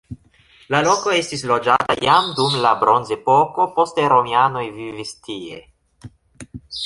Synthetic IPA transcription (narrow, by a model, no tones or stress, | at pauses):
lalo̞ko̞e̞stislo̞d͡ʒata̰jamdumlabɾo̞nze̞po̞ko̞po̞steɾo̞miano̞jvivistiḛ